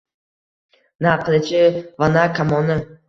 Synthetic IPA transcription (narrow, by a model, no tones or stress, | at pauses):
naqʰɨlɪt͡ʃʰɪvanakʰamɒnɪ